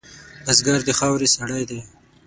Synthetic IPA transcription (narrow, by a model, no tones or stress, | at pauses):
azɡaɾd̪əxɑwɾesaɽajd̪e